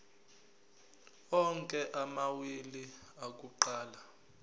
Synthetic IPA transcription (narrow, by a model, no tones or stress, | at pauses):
ɔŋkʼɛʔamawiliak̬ʼuǃaːla